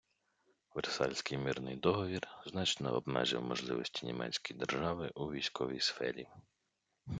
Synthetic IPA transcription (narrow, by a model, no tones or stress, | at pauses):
ʋersɑlʲsʲkɪjmɪrnɪjd̪ɔɦɔʋʲirznɑt͡ʃnɔ̰ɔbmɛ̰ʒɪ̰wmɔʒlˠɪ̰ʋɔsʲtʲi̥nʲimɛ̰t͡sʲkɔjd̪erʒɑʋɪʔuʋʲijsʲkɔʋʲḭjsfɛ̰ɾʲi